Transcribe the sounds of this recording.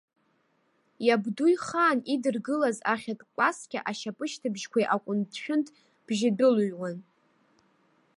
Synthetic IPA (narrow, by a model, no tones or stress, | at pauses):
jabdujχaːnidɨrɡɨlazaχʲatʼkʼlaskʲʼaʔaʃapʼɨʃtʰɨbʒkʷajʔakʷʼʊntʰʃᶣʊntʼ | b̥ʒɪdɨluɥwan